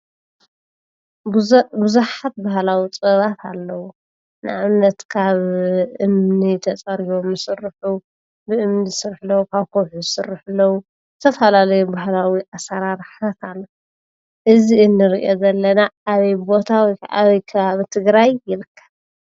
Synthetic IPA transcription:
bɨzuħat̪̚bahlawit͡sʼɐβat̪ʰalːɐwu | nɨʕaβnɐt̪kʰaβɨmnit̪ʰɐt͡sʼɐɾiβomːɨsɨrːɨħu | bɨʔɨmnisɨɾħɨlːɐwukʰaβkʰoħuzɨsɨrɨħɨlːɐwu | zɨt̪ʰɐfɐlalɐjubahlawiʔasɐɾaɾħat̪ʰalːɐ | ʔɨziɨnːɨɾiʔozɐlːɐnaːβɐjbo̞t̪ʰawɔja̰βɐjkʰɐβaβit̪ʰɨɡɾajːɪɾɨkʰːɐ̥β

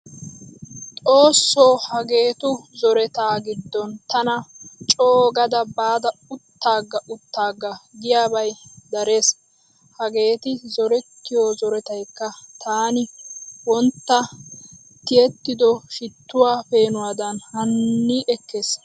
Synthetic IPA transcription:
t̪ʼo̞ːsːo̞ːhɐɡe̞ːt̪ʊzɔɾɛt̪aːɡɪd̪ːɔnt̪ɐnɐt͡ʃʼoːɡɐd̪ɐbaːd̪ɐʊt̪ːaːɡːɐʔʊt̪ːaːɡːɐɡ̪ɪjaːbɐjd̪ɐɾe̞ːs | hɐɡe̞ːt̪ɪzɔɾɛt̪ːɪjoːzɔɾɛt̪ɐjkːɐt̪ʰaːnɪwɔnt̪ːɐ | t̪ɪjɛt̪ːɪd̪ɔʃɪt̪ːʊwaːfe̞ːnʊwaːd̪ɐnhɐnːiʔɛkʰːeːs

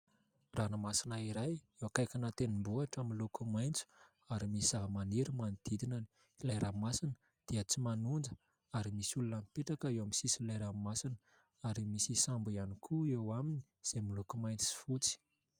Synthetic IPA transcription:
ranamasinaiɾajewakajkʲinat̪enimbuaʈ͡ʂəmilukumajnt͡su̥ | aɾimisaɦmaniɾimanid̪̥id̪inani̥ | lajɾamasinə̥ | d̪̥iət͡simanund͡ʒə | aɾimisulunəmipeʈ͡ʂakəewamisisilajɾamasinə | aɾimisisambuianikʰuewamini̥ | z̥emilukumajnt͡si̥fut͡si̥

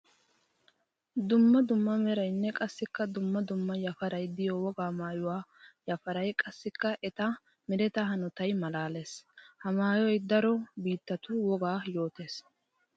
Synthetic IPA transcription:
d̪ʊmːɐd̪ʊmːɐmɛɾɐjnːɛkʼɐsːɪkːɐd̪ʊmːɐd̪ʊmːɐjɐfɐɾɐjd̪ɪjɔwɔɡaːmaːjʊwaːjɐfɐɾɐjkʼɐsːɪkːɐʔɛt̪ɐ | mɛɾɛt̪ɐɦɐnʊt̪ɐjmɐlaːleːshɐmaːjɔjd̪ɐɾɔbiːt̪ːɐt̪ʊwɔɡaːjo̞ːt̪eːs

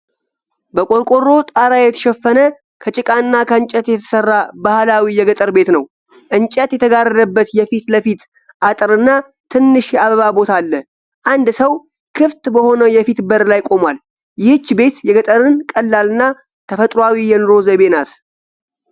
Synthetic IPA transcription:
bəkʼo̞ɾkʼo̞ɾːo̞t̪ʼaɾajɛt̪ʰəʃɛfːənə | kʰət͡ʃʼɪkʼaɨnːakʰəɨnt͡ʃʼət̪jɛt̪ʰə̥sərːabahlawijɛɡət̪ʼəɾbe̞t̪nəw | ʔɨnt͡ʃʼət̪jɛt̪ʰəɡarəd̪əbːət̪jɛfit̪ləfit̪ | ʔat̪ʼɨɾɨnːa | t̪ʰɨnːɨʃjɛaβəβabo̞t̪ʰalːə | ʔand̪səw | kʰɨft̪bəho̞nəjɛfit̪bəɾlajkʼo̞mwal | jɪhɨt͡ʃːbe̞t̪jɛɡət̪ʼəɾɨnkʼəlːalɨnːa | t̪ʰəfət̪ʼɾwawijɛnɨɾo̞zəβe̞nat̪

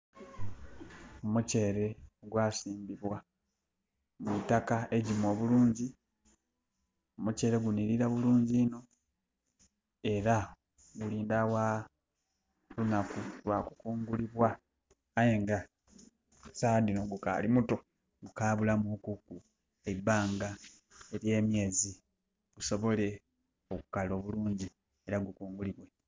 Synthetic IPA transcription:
omuce̞ːɾe̞ɡwaːsiːmbiβwa | mitakae̞ɟimo̞ːβuluːɲɟi | omuce̞ːɾe̞ɡuniɾiɾaβuluːɲɟiːno̞ | e̞ɾa | ɡuliːndawa | lunakulwakukuːŋɡuliβwaː | jeŋɡa | saːdinoɡuka̰ːlimuto̞ | ɡukaːβulamukuku | ebːaːŋɡa | e̞ɾje̞ːmje̞ːzi | ɡ̥uso̞βo̞le̞ | okukalo̞βuluːɲɟi | e̞ɾaɡukuːŋɡuliβwe

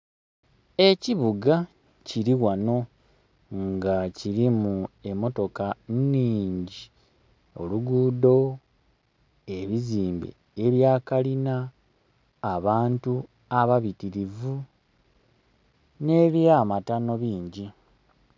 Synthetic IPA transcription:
e̞ciβuɡa | ciɾiwano̞ | ŋɡaciɾimue̞mːo̞to̞kanniːɲɟi | o̞̰luɡuːdo̞ | e̞βiziːmbḛ | eβjaːkalinaː | βaːntu | aβaβitiɾivu | ne̞βjamatano̞βiːɲɟi

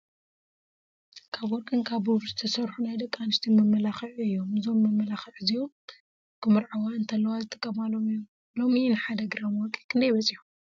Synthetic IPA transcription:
kʰaβwɔɾkʼɨnkʰaβuβzɨt̪ʰɐsɐɾħunajd̪ɐkʼːanɨʃt̪ʰimɐmːɐlaxɨʕuɨjːo̞mɨzo̞mːɐmːɐlaxɨʕɨzijom | kʰɨmɨɾʕawaɨnt̪ʰɐlːɐwazɨt̪ʼɨkʼːɐmalo̞mɨjom | lo̞minɨħad̪ɐɡɨɾamwɔkʼːikʰɨnd̪ɐjβɐsʼiħum

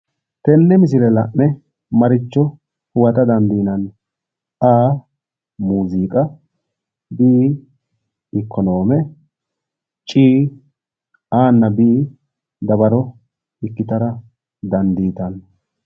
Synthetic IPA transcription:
t̪ɛnːɛmɪs̬ɪlɛlɐ̰ʔnɛ | mɐɾɪt͡ʃːɔ | hʊwɐt̪ɐd̪ɐnd̪iːnɐn | aː | muːziːkʼɐ | bɪː | ɪkʰːɔnoːmɛ | t͡ʃʼiː | aːnːɐbɪʔː | d̪ɐβɐɾɔ | ɪkːɪt̪ɐɾɐ | d̪ɐnd̪iːt̪ɐn

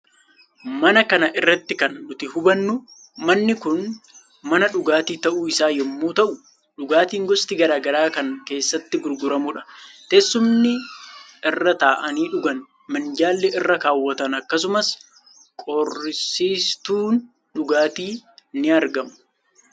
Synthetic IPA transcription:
mɐnɐkɐnɐʔɪrːɐt̪ːɪkɐnᶑʊt̪ɪhʊbɐnːʊ | mɐnːɪkʊn | mɐnɐᶑʊɡaːt̪iːt̪ɐʔuːɪsaːjɛmːoːt̪ɐʔʊ | ᶑʊɡaːt̪iːŋɡɔst̪ɪɡɐɾaːɡɐɾaːkɐŋke̞ːsːɐt̪ːɪɡʊɾɡʊɾɐmʊᶑɐ̥t̪ɛsːʊmnɪ | ɪrːɐt̪aːʔɐniːᶑʊɡɐn | mɐnd͡ʒaːlːɛʔɪrːɐkaːwːɐt̪ɐnɐkːɐs̬ʊmɐs | kʼɔrːɪsiːst̪uːn | ᶑʊɡaːt̪iːnɪɐɾɡɐmʊ̥

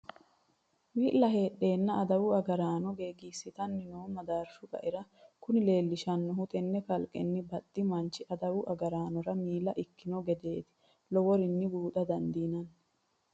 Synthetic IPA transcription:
wiːʔlɐɦe̞ːɗːe̞ːnːɐʔɐd̪ɐwʊɐɡɐɾaːnɔɡeːɡiːsːɪt̪ɐnːɪnoːmɐd̪aːɾʃʊkʼɐ̰ʔɪɾɐkʊnɪle̞ːlːɪʃɐnːɔɦʊt̪ɛnːɛkɐlkʼːɛ̰nːɪbɐt̪ːɪmɐnt͡ʃːɪʔɐd̪ɐwʊʔɐɡɐɾaːnɔɾɐmiːlɐʔɪkːɪnɔɡɛd̪e̞ːt̪ɪ̥ | lɔwɔɾɪnːɪbuːt̪ɐd̪ɐnd̪iːnɐn

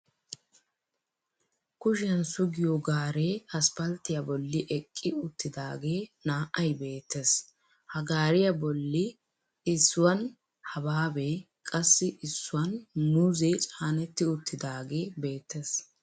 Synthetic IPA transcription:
kʊʃɪjɐnsʊɡɪjoɡaːɾeːɐspɐlt̪ːɪjabɔlːɪʔɛkʼːɪʊt̪ːɪd̪aːɡeːnaːʔɐjbe̞ːt̪ːes | hɐɡaːɾɪjɐbɔlːɪ | ɪsːʊwɐn | hɐbaːbeː | kʼɐsːɪʔɪsːʊwɐnmʊzet͡ʃʼaːnɛt̪ːɪʊt̪ʰːɪd̪aːɡe̞ːbe̞ːt̪ːes

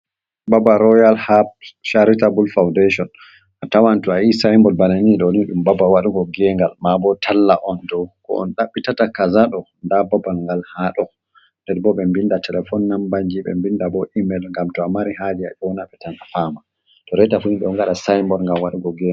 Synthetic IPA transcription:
babaɾɔjalhap̚ʃaɾitabulfawndaʃɔn | ʔatawantuaisajmbɔlbananiɗɔniɗumbabawaɗuɡɔɡɛŋɡalmabɔtʰalːaʔɔndɔwkɔ̰ɔ̰nɗaɓːitatakazaɗɔndababalŋɡalhaɗɔ | ndɛɾbɔɓɛmbindatʰɛlɛfɔnːambaɲd͡ʒiɓɛ̰mbindabɔʔimɛlŋɡamtɔamaɾihad͡ʒia̰ʔɔwnaɓɛtanafama | tɔɾɛtafuniɗɔŋɡaɗasajmbɔɾŋɡamwaɗuɡɔɡɛ

